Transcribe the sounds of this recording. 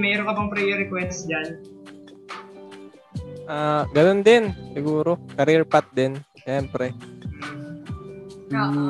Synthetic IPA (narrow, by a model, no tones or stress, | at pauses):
mɛɾoŋkɐbɐŋpɾɛjɛɾɛkwɛnsd͡ʒan | ʔaːɡɐnond̪ɪnsɪɡuːɾo̞kɐɾiɹpat̪̚d̪ɪnʃɛːmpɾɛ